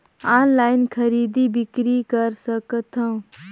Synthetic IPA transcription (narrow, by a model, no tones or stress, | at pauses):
aːnlaːjɪnkʰəɾiːd̪ibɪkɾikəɾsəkət̪ʰə̃